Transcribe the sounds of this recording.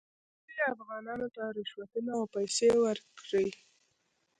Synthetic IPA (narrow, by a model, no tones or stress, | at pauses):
dəafɣɑnɑnot̪aɾɪʃwat̪ənaawpajsewəɾkɽəj